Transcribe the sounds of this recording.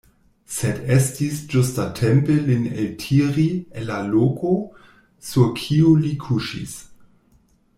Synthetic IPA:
sedestisd͡ʒustatʰempelineltʰiɾienːaloko | suɾkʰiulikʰuʃḭs

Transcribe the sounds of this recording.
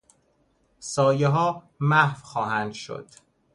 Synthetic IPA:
sɒːjeɦɒː | mæhvxɒːɦænd̪ʃo̰d̪̥

